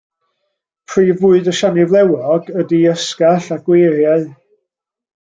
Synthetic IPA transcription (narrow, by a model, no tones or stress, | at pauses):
pʰriːvʊːɨdəʃanɪvlˠɛwɔɡədiəskaɬaɡ̥weɾjaɨ